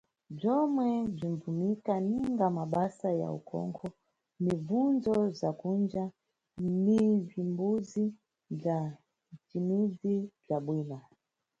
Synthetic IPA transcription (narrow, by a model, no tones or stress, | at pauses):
b͡ʐɔmwɛb͡ʐinvumikaniŋɡamaɓasaja̰ṵkʰɔ̰ŋkʰɔ | nivunzɔzakund͡ʒa | nivimbuzi | b͡ʐa | t͡ʃimizib͡ʐaɓwiːna